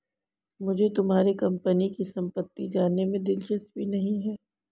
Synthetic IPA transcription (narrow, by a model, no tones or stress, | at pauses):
mʊd͡ʒʱet̪ʊmɦaːɾekɐ̃mpənikisɐ̃mpət̪ːid͡ʒaːnemẽd̪ɪlʃəst̪̚bʱinɐɦĩɦɛː